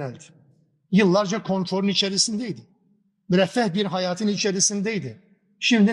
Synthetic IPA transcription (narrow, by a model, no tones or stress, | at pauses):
ælʲt̪ | jɯlˠːaɾd͡ʒakʰo̞nfɾo̞ɾunit͡ʃʰɛɾisind̪ɛid̪ɪ | myɾɛfːæhbiɾɦajaːt̪ʰɯnit͡ʃʰɛɾisind̪ɛid̪ɪ | ʃimd̪i